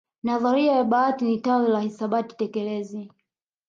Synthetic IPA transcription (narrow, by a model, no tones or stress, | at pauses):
naðaɾiajaɓaːtinitawilahisaɓati̥tɛkɛlɛzi